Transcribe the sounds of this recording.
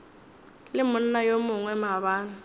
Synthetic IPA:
lɪmʊn̩najomʊŋwɛmaβaːnʊ

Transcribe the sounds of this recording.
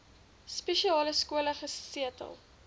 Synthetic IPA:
speʃiɑːləskuələχəsiətə̰lˠ

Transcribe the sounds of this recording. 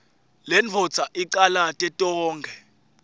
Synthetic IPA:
lɛnt͡fʰɔ̥t͡sʰaʔiǃalatʼɛtʼɔːŋɡʱɛ

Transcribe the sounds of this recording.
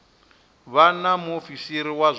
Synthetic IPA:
βanamuofisiɾiwaz

